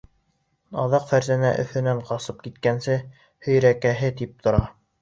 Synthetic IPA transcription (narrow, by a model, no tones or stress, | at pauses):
ɑ̰ðɑqfæɾzænæ̰ʔɵ̆θɘ̆næɴqɑsɤp̚kit̪kænsɘ | hɵ̆jɾækæɦɘt̪ip̚t̪ʰŏɾɑ